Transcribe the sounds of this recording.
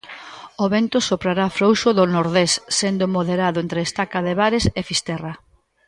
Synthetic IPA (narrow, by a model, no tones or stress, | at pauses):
oβent̪ʊsopɾaɾafɾowʃʊðʊnoɾðessend̪ʊmoðeɾaðʊent̪ɾeest̪akaðeβaɾesefist̪ɛrɐ